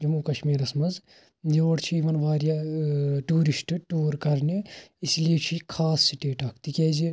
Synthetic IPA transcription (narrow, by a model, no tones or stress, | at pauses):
d͡ʒɐmukɐʃmiːɾɐsmɐz | joːʈt͡ʃʰiiʋɐnʋaːɾjaʈuːɾisʈʈuːɾkɐɾneisliet͡ʃʰikʰaːssiʈeːʈɐkʰt̪ikʲɛːd͡ʒi